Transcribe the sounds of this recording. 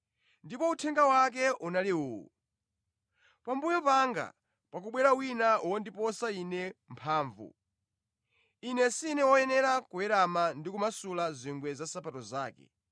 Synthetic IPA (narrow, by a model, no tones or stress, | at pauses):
ndipɔutʰɛŋɡawak̬ɛʔunaliuːṵ | pambujɔpaŋɡa̰ | pakuɓwɛɾawinauwɔndipɔsainɛmpʰaːɱvṵ | inɛsinɛwɔjɛnɛɾakuɛɾamandikumasulaziŋɡwɛzasapatɔzaːkɛ̰